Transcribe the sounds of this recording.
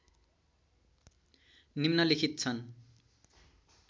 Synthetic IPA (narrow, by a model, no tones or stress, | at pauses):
nimnʌlikʰit̪̚t͡sʰʌn